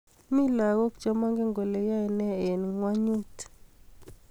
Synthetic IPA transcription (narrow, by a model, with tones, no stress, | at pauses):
mi˦la˨ɣo˦kd͡ʒɔ˦ma˦ŋɡɛ˦ŋɡo˨le˨ja˦˨nɛ˦e˨n˨ŋwa˦ɲu˦t